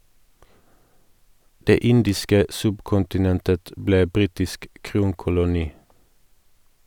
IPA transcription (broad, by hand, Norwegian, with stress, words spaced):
ˈdeː ˈɪndɪskə ˈsʉbkʊntɪˌnɛntət ˈbleː ˈbʁiːtɪsk ˈkʁuːŋkʊlʊˌniː